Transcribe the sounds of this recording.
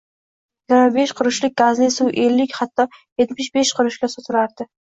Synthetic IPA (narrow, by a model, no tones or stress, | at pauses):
jjɪɡʲɪɾmabe̞ʃqʰʊɾɪʃlɪk̚ʲɡ̥azlɪsuwʔelːɪkʲhat̪ːɒjet̪mɪʃbeʃqʰɨɾɪʃkʲasot̪ʰʊɾaɾd̪ɪ